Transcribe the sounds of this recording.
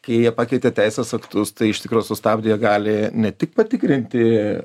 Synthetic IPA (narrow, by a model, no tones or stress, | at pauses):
kɐɪjiɛpɑːkʲɛɪt̪ʲeːt̪ʲɛɪsʲeːsɐkt̪ʊst̪ɐɪɪʃt̪ʲɪkɾuːjusʊst̪ɑːbʲd̪ʲɪjɛɡɑːlʲɪnʲɛt̪ʲɪk̚pɐt̪ʲɪkɾʲɪnʲt̪ʲɪ